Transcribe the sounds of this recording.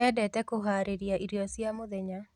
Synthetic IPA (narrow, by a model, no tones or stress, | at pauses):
ɛdɛtɛkoɦaɾeɾjaʔiɾiɔsjamoðɛɲa